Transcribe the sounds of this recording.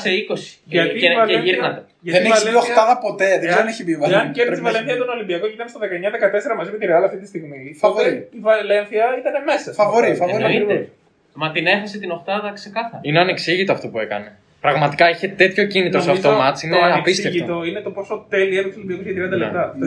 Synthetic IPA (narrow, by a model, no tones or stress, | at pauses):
seiko̞si̥ʝɐieiɾxnɐt̪e | ʝɐtðenesioxt̪ɐðɐpo̞t̪eðezðeneçibivɐeɐeɾsiivɐleθiɐɐt̪ono̞limbiɐko̞ʝit̪ɐmest̪ɐðekɐeɲɐðekɐt̪e̞se̞ɾɐmɐzimet̪iɾeɐlɐft̪it̪ist̪iɣmifɐvoeiivɐlenθiɐit̪ɐneme̞sɐfɐvoɾifɐvoɾiine | mɐt̪ine̞fɐset̪ino̞xt̪ɐðɐkse̞kɐθɐɾineɐneksiʝit̪o̞ɐft̪o̞pue̞kɐne̞ | pɾɐɣmɐt̪i̥kɐiçe̞t̪e̞t̪ço̞cinit̪ɾosɐft̪omɐt̪sineɐpiseʝitot̪oinet̪o̞po̞sot̪e̞liet̪oksolimbiɐkozʝɐt̪ɾiɐnd̪ɐlḛt̪ɐ